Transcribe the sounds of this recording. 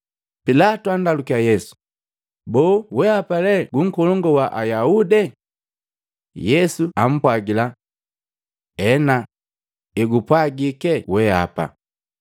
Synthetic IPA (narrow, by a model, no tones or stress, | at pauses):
pilatuandalukiajɛsu̥ | bɔːwɛapalɛɡuŋ̩kɔlɔŋɡɔwaʔajaudɛ | jɛsuam̩pwaɡila | ɛna | iɡupwaɡikɛwɛa̰pa̰